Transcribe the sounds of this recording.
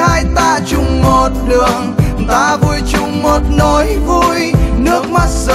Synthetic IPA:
aː˧jt̪aː˧t͡ɕʊ˨˧˩ŋ͡mmo˨˩t̚ɗɨ˨˩əŋt̪aː˧vu˧jt͡ɕʊ˨˧˩ŋ͡mmo˨˩t̚nɔ˨˦jvu˧jnɨ˦˥ək̚ma˦˥t̚zə˧˨

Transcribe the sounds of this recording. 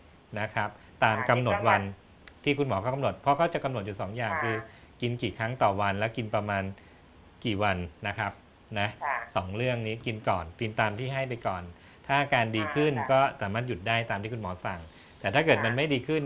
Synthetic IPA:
na˦˥kʰɾa˦˥p̚ | t̪aː˧mka˧mno˨˩t̪̚wa˧n | t̪ʰiː˥˩kʰu˧nmɔː˩˦kʰa˦˥˩ka˧mno˨˩t̪̚pʰɾɔ˦˥kʰa˦˥wt͡ɕa˨˩ka˧mno˨˩t̪̚ju˨˩sɔː˩˦ŋjaː˨˩ŋkʰɯː˧ | ki˧nkiː˨˩kʰɾa˦˥ŋt̪ɔː˨˩wa˧nlɛː˦˥wki˧npɾa˧maː˧n | kiː˨˩wa˧nːa˦˥kʰɾa˦˥p̚ | na˦˥sɔː˩˦ŋɾɯ˥˩əŋniː˦˥ki˧nkɔː˨˩nt̪i˧nt̪aː˧mt̪ʰiː˥˩ɦa˥˩jp̬a˧jkɔː˨˩n | t̪ʰaː˥˩˧kaː˧ndiː˧kʰɯ˥˩nkɔː˥˩saː˩˦maː˥˩ju˨˩t̪̚daː˥˩jt̪aː˧mt̪ʰiː˥˩kʰu˧mɔː˩˦sa˨˩ŋ | t̪ɛː˨˩t̪ʰaː˥˩kɤː˨˩t̪̚ma˧nma˥˩jdiː˧kʰɯ˥˩n

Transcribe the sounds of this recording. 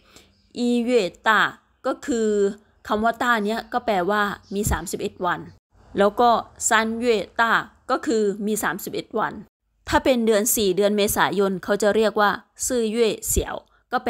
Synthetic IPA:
ʔiː˧weː˧˩t̪aː˥˩ | kɔː˥˩kʰɯː˧ | kʰa˧˩mwɔː˧˥t̪aː˥˩ni˦˥ɐkɔː˥˩pɛː˧waː˥˩miː˧saː˩˦msi˨˩p̚ʔe˨˩t̪̚wa˧n | lɛː˦˥wkɔː˥˩sa˦˧˥nju˥˧e˧˩t̪aː˥˩kɔː˥˩kʰɯː˧miː˧saː˩˦msi˨˩p̚ʔe˨˩t̪̚wa̰˧n | t̪ʰaː˥˩pe˧ndɯ˧ənsiː˨˩dɯ˧ənmeː˧saː˩˦jo˧nkʰa˦˥wt͡ɕa˨˩ɾi˥˩ək̚waː˥˩sɯː˥˩ju˥˩ə˨˩si˨˩˦əw | kɔː˥˩p

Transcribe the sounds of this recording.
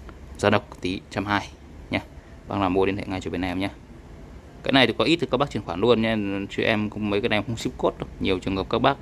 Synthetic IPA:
zaː˧˩ɗə˨˩wk͡p̚t̪i˨˦t͡ɕa˧mhaː˧j | ɲaː˧ | ɓa̰ː˧ŋlaː˨˩mo˧˨lnt̪ʰḛ˧˨ŋa˨˩t͡ɕɔ˧˩ɓe˧˩nʔɛ˧mɲaː˧ | kaː˨˦jna˨˩jt̪i˨˩kɔ˨˦ʔi˦˥t̪ɨ˨˩k̚ːɓa˦˥t͡ɕi˨˩ənxwaː˧˩˨lu˧ənɲ˧a˧t͡ɕi˧˩ʔɛ˧m˧mə˨˦jkaː˦na˨˩˨xwŋ͡msi˦˥p̚ko˦˥t̚ɗɲi˨˩əwt͡ɕɨ˨˩əŋhəː˨˩p̚kaː˦˥k̚ɓaː˦˥k̚

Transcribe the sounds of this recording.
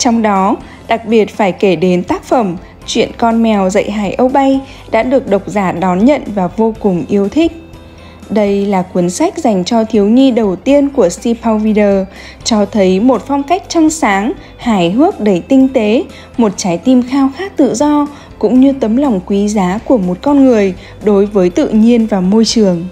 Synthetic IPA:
t͡ɕɔ˧wŋ͡mɗɔ˨˦ | ɗa˨˩k̚ɓi˨˩ət̚faː˧˩jke˧˩ɗe˨˦nt̪aː˦˥k̚fə˧˩m | t͡ɕwḭ˧˨ənkɔ˧nmɛ˨˩wzə̰˧˨jɦaː˧˩jʔə˧wɓa˧j | ɗa̰ː˧˥ɗɨ˨˩ək̚ɗə˨˩wk͡p̚zaː˧˩ɗɔ˨˦nɲə̰˧˨nvaː˨˩vo˧kʊ˨˩ŋ͡mʔi˧əwt̪ʰï˦˥k̟̚ | ɗə˧jlaː˨˩kwi˨˦ənsa˦˥jk̟̚za˨˩jŋ̟t͡ɕɔ˧t̪ʰi˨˦əwɲi˧ɗə˨˩wt̪i˧ənku˧˩əsi˧pʰa˧wvi˧ɗəː˧˩ | t͡ɕɔ˧t̪ʰə˨˦jmo˨˩t̚fɔ˧wŋ͡mka˦˥jk̟̚t͡ɕa˧ŋsaː˨˦ŋ | haː˧˩jɦɨ˦˥ək̚ɗe˧˩t̪ï˧ŋ̟t̪e˨˦ | mo˨˩t̚t͡ɕaː˨˦jt̪i˧mxaː˧wxaː˦˥k̚t̪ɨ̰˧˨zɔ˧ | kʊ̰˧˥ŋ͡mɲɨ˧t̪ə˨˦mla˨˩wŋ͡mkwi˨˦zaː˨˦ku˧˩əmo˨˩t̚kɔ˧nŋɨ˨˩əj | ɗo˨˦jvəː˨˦jt̪ɨ̰˧˨ɲi˧ənvaː˨˩mo˧jt͡ɕɨ˨˩əŋ

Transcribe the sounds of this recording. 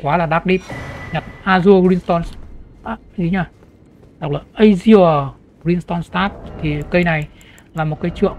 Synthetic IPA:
kwaː˨˦laː˨˩ɗaː˦˥k̚ɗi˦˥p̚ɲa˨˩t̚ʔaː˧zu˧əɹi˧nst̪ɔ˧nst̪a˦˥˨zi˧˩ɲaː˧˩ | ɗa˨˩w̚laː˨˩ʔə˧jzi˧ə˨˩ | zi˧nst̪ɔ˧nst̪aː˦˥t̚t̪ʰi˨˩kə˧jna˨˩j | laː˨˩mo˨˩t̚kaː˨˦jt͡ɕɨ̰˧˨əŋ

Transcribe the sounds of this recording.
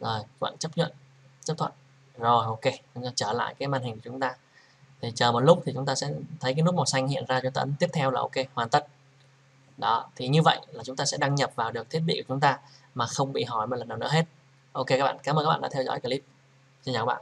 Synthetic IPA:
zo˨˩jwa̰˧˨nt͡ɕə˦˥p̚ɲə̰˧˨n | t͡ɕə˦˥p̚t̪ʰwə̰˧˨n | zo˨˩jʔo˧ke˧t͡ɕʊ˨˦aː˧t͡ɕəː˧˩la̰ː˧˨jkaː˨˦jmaː˧nhï˨˩ŋku˧˩t͡ɕʊ˨˦ŋ͡mt̪aː˧ | t̪ʰi˨˩t͡ɕəː˨˩mo˨˩t̚lʊ˦˥k͡p̚t̪i˨˩t͡ɕʊ˨˦ŋ͡mt̪aː˧sɛ̰˧˥t̪ʰə˨˦kaː˨˦jnu˦˥t̚mɔ˨˩sa˧jŋhḭ˧˨ənzaː˧t͡ɕʊ˧˦t̪ə̰˨˦nt̪i˦˥əp̚t̪ʰɛ˧wlaː˨˩ʔo˧ke˧hwaː˨˩nt̪ə˦˥t̚ | ɗɔ˨˦t̪ʰi˨˩ɲɨ˧və̰˧˨jʔlaː˨˩t͡ɕʊ˨˦ŋ͡mt̪aː˧sɛ̰˧˥ɗa˧ŋɲə˨˩p̚vaː˨˩wɗɨ˨˩ək̚t̪ʰi˦˥ətɓḭ˧˨kt͡ɕʊ˨˦ŋ͡mt̪aː˧maː˨˩xə˧wŋ͡mɓḭ˧˨ɦɔ˧˩jmo˨˩t̚lə˨˩naː˨˩nɨ˧˥ə˦ɦe˦˥t̚ | ʔo˧ke˧ka˦˥k̚ɓa̰ː˧˨kaː˨˦mə˧kaː˦˥ɓaː˧˨˧ɗ̰t̪ʰɛ˧zɔ̰˧˥jka˧li˦˥p̚ | t͡ɕe˧nzːk̚ːɓ̰ː

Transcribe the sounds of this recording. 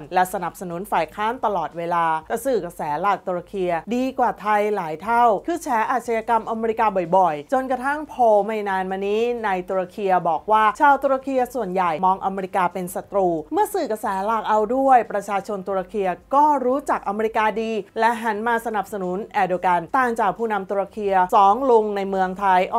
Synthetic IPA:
nlɛ˦˥sa˧na˨˩p̚sa˧nu˨˩˦nfaː˨˩jkʰaː˦˥nt̪a˧lɔː˨˩t̪̚weː˧laː˧t̪ɛː˨˩sɯː˨˩ka˧sɛː˩˦laː˨˩k̚t̪u˧ɾa˧kʰi˧ɐdiː˧kwaː˨˩t̪ʰa˧jlaː˩˦jt̪ʰa˥˩wkʰɯː˧t͡ɕʰɛː˩˦˥ʔaː˨˩t̪̚sʰa˧jaː˧ka˧mʔa˧meː˧ɾi˧kaː˧bɔ˨˩jbɔ˨˩jt͡ɕo˧nka˧t̪ʰa˥˩ŋpʰoː˧ma˧˩jnaː˧nmaː˧niː˦˥na˧jt̪u˧ɾa˧kʰi˧ɐbɔː˨˩k̚waː˥˩t͡ɕʰaː˧wt̪uː˧ɾa˧kʰi˧ɐsu˨˩ənja˨˩jmɔː˧ŋʔa˧meː˧ɾi˧kaː˧pe˧nsa˧˩t̪ɾuː˧mɯ˥˩ɐsɯː˨˩ka˧sɛː˩˦laː˨˩k̚ʔa˧wdu˥˩əjpɾa˧t͡ɕʰaː˧t͡ɕʰo˧nt̪u˧ɾa˧kʰi˧ɐkɔː˥˩ɾuː˦˥t͡ɕa˨˩k̚ʔa˧meː˧ɾi˧kaː˧diː˧lɛ˦˥ʔɦa˩˦nmaː˧sa˧na˨˩p̚sa˧nu˨˩˦nʔɛː˧doː˧ka˧nt̪aː˨˩ŋt͡ɕaː˨˩k̚pʰuː˥˩na˧mt̪uː˧ɾa˧kʰi˧ɐsɔː˨˩˦ŋlo˧ŋna˧jmɯ˧əŋt̪ʰa˧jʔ

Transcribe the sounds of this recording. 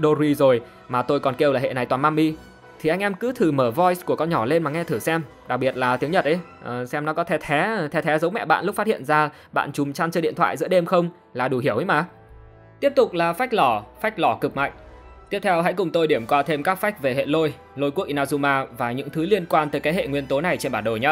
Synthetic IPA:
ɗo˧ɾi˧zo˨˩j | maː˨˩t̪o˧jkɔ˨˩nke˧wlaː˨˩ɦḛ˧˨na˨˩jt̪waː˨˩maː˧mːʔi˧ | t̪ʰi˨˩ʔa˧jŋ̟ʔɛ˧mkɨ˨˦t̪ʰɨ˨˩məː˧˩vɔ˧jsku˧˩əkɔ˧nɲɔ˧˩le˧nmaː˨˩ŋɛ˧t̪ʰɨ˧˩sɛ˧m | ɗa˨˩k̚ɓi˨˩ət̚laː˨˩t̪i˨˦ŋɲə˨˩t̚ʔə˨˦j | ʔə˨˩sɛ˧mnɔ˨˦kɔ˨˦t̪ʰɛ˧˩t̪ʰɛ˨˦t̪ʰɛ˧t̪ʰɛ˨˦zə˨˦wmɛ̰˧˨ɓa̰ː˧˨nlʊ˦˥k͡p̚faː˦t̚hḭ˧˨ənzaː˧ | ɓa̰ː˧˨nt͡ɕʊ˨˩mt͡ɕaː˧nt͡ɕəː˧ḭ˧ənt̪ʰwa̰ː˧˨jzɨ̰˧˥əɗe˧mxə˧wŋ͡m | laː˨˩ɗu˨˩ɦi˧˩əwʔə˨˦jmaː˨˧˩ | t̪i˦˥əp̚t̪ʊ˨˩k͡p̚laː˨˩fa˦˥jk̚lɔ˧˩fa˦˥jk̟̚lɔ˧˩kɨ˨˩k̚ma̰˧˨jŋ̟t̪i˦˥əp̚t̪ʰɛ˧wɦa̰˧˥jkʊ˨˩ŋ͡mt̪o˧jɗi˧˩əmkwaː˧t̪ʰe˧mkaː˦˥k̚fa˦˥jk̟̚ve˨˩ɦḛ˧˨lo˧j | lo˧jkək̚ʔi˧naː˧zu˧maː˧vaː˨˩ɲɨ̰˧˥ŋt̪ʰɨ˨˦li˧ənkwaː˧nt̪əː˨˦jka˨˦hḛ˧˨ŋwi˧ənt̪o˨˦na˨˩jt͡ɕe˧nɓaː˧˩nɗo˨˩jɲaː˧˦

